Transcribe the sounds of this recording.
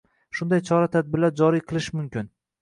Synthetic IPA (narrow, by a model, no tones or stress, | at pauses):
ʃʊnd̪ajt͡ʃʰɒɾat̪ʰad̪̚bɪɾlaɾd͡ʒɒɾijqʰɨlˠɪʃmʊmkʲɪn